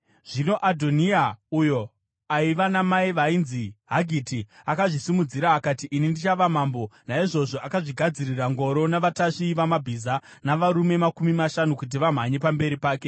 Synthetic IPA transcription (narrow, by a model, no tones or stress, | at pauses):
ʐ̥ino̞ʔadʱo̞niaujo̞ | aiʋanamaiʋainziɦaɡʱitiakaʐisimud͡ziɾaːkatiʔinindit͡ʃaʋamaːmbo̞naiʐo̞ʐo̞akaʐiɡʱad͡ziriraŋɡo̞ɾo̞naʋataʂiʋamabʱizanaʋaɾume̞makumimaʃanukut̬iʋam̤aɲe̞pambe̞ɾipaːke̞